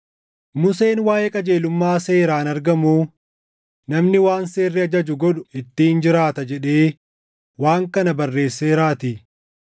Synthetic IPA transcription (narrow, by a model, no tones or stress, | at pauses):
mʊse̞ːnwaːjɛkʼɐd͡ʒe̞ːlʊmːaːse̞ːɾaːnɐɾɡɐmuː | nɐmnɪwaːnse̞ːrːɪɐd͡ʒɐd͡ʒʊɡɔᶑʊɪt̪ːiːnd͡ʒɪɾaːt̪ɐd͡ʒɛᶑe̞ː | waːŋkɐnɐbɐrːe̞ːsːeːɾaːt̪ɪ